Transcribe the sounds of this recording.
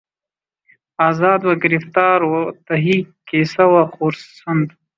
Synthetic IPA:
ɑːzɑːd̪waɡɪɾɪft̪ɑːɾwat̪aɦikesawaqoɾsːand̪

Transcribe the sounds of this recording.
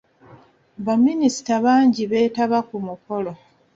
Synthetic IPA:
βaminisi̥taβaːɲɟiβe̞ːtaβakumuko̞lo̞

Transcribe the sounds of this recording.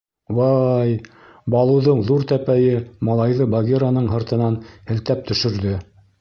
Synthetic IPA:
wɑj | bɑlˠɤ̆wðɤɴðuɾt̪æpæjɘmɑlˠɑjðɤbɐɡʲeɾanɤɴɦɤ̆ɾt̪ɤ̆nɑnhɘ̆lt̪æp̚t̪ɵ̆ʃɵ̆ɾðɵ

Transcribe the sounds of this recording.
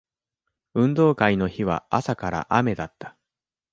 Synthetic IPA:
ɯ̟̃nd̪o̞ːkaino̞çiβ̞a̰asakaɾa̰ʔame̞d̪at̪ːḁ

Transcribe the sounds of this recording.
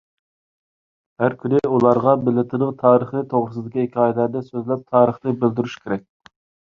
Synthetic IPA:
hæɾkʲʰynɪulˠɑɾʁɑbɪlɪt̪ʰɨɾəqt̪ʰɑːɾəχnɪt̪ʰoʁɾɨsɨd̪ɪkʲiekʲʰɑːjɪlæɾd̪ɛsøzlɛp̚t̪ʰɑːɾəχt̪ɨbɪld̪yɾyʃkʲʰeɾɛk̚ʲ

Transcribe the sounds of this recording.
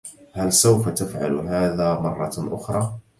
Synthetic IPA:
hælsəwfat̪əfʕa̰luɦæːðæmɑrˤːɑʔʊxɾˤɑ

